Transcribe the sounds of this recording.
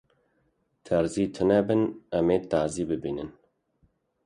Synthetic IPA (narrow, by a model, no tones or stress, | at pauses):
t̪ʰɛɾziːt̪ʰɨnɛbɨnɛmeːt̪aːziːbɨbiːnɨn